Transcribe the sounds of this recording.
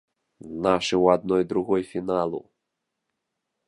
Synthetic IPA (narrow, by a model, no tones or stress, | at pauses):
naʂɨwad̪̚nɔjd̪ɾuɣɔjfʲinalˠṵ